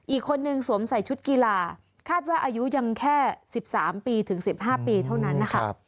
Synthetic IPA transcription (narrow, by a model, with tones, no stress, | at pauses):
ʔiː˨˩kʰːo˧nːɯ˧ŋsu˩˦msa˨˩jt͡ɕʰu˦˥t̪̚ki˧laː˧ | kʰaː˥˩t̪̚waː˥˩ʔaː˧ju˦˥ja˧ŋkʰɛː˥˩si˨˩p̚saː˩˦mpiː˧t̪ʰɯ˩˦ŋsi˨˩p̚ɦaː˥˩piː˧t̪ʰa˥˩wna˦˥nːa˦˥kʰa˥˩